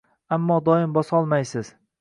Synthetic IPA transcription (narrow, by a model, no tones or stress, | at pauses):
amːɒd̪ɒɪmbɒsɒlˠmajsɪz̥